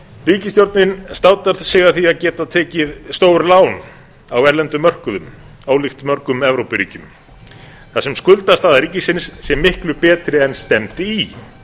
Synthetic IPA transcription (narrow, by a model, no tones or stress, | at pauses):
riːcɪst̪jowɾt̪nɪnst̪aːwt̪aɾ̥sɛːɣaθiaðcɛːt̪aðt̪ʰɛːcɪðst̪oːwɾlaːwn | awɛɾlɛnt̪ʏmːœr̥kʏðʏm | awlɪxt̪mœɾkʏmɛvɾowpɪɾiːcʏm | θasɛmskʏlt̪ast̪aːðaɾiːcɪsɪnsːjɛmːɪhklʏpɛːt̪ɾɪɛnst̪ɛmt̪ɪi